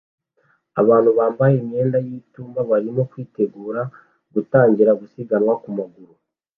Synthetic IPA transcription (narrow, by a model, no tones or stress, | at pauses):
aβaːn̥huβaːmbajeme̞ːndajiːtuːmbaβaɾimo̞kwiːte̞ɡuːɾa | ɡ̥utaːɲɟiɾaɡusiɡanwakumaɡuɾu